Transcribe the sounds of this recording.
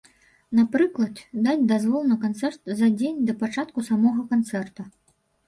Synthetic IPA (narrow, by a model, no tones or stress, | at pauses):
napɾɨklˠɐt̪d̪at͡sʲd̪azvɔlˠnɨkant̪sɛrt̪zɐd͡zʲenʲd̪ɐpat͡ʂat̪̚kusamɔɣɐkant̪sɛrt̪ɐ